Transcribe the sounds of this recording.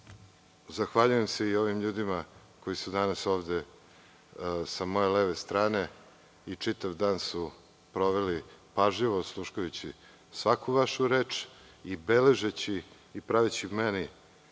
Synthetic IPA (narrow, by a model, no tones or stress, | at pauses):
zaxʋaʎuje̞mseio̞ʋimʎuːd̪ima | ko̞jisud̪anaso̞ːʋd̪e | samo̞jeleʋest̪ɾaːne̞ | it͡ʂit̪aʋd̪aːnsu | pɾo̞ʋelipaʒʎiʋoslˠuʃkujut͡ɕi | sʋakʰuʋaʃuɾeːt͡ʂ | ibeleʒet͡ɕiː | pɾaʋet͡ɕimeni